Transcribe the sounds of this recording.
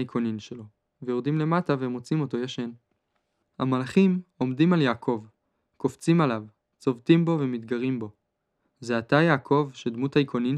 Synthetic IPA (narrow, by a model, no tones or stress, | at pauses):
ikʰo̞ninʃelo̞ | vejo̞ʁd̪imle̞mataveemot͡simo̞to̞jaʃe̞n | hamalaχimo̞mdimaljaːkʰo̞v | koft͡simalav | t͡so̞vtimbo̞ve̞mit̪ɡaʁimbo̞ | zeatajaːkʰo̞vʃedmuthaikʰo̞nin